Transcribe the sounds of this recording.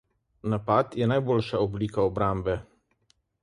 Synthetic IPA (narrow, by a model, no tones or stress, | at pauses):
napat̪jɛnajbolʃaɔbliːkaɔbɾambɛ